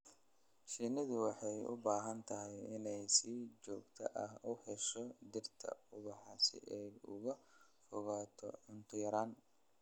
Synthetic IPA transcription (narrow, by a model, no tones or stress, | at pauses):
ʃinɪðʊwɑħɑjʊ̰baːɦɐnt̪ʰɐɦɪjɪnɛjsiːt͡ʃɔːɡt̪ʰɐʔɐhʊhɛʃɔd̪ɪrt̪ʰɐ̰ʊβɑħɑsɪ̰ʔɛjʊ̰ɣɐfʊɣaːt̪ʰɔʕʊnt̪ʰʊjɾaːn